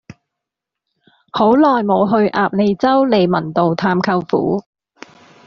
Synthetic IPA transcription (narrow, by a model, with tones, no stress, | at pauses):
ho˨˥wlɔː˨jmo˨˧wɦɵ˧ɥʔaː˨˧p̚le˨˧jt͡sɐ˥wle˨˧jmɐ˨˩nt̪o˨wt̪ʰaː˧mkʰɐ˧wfṵː˨˥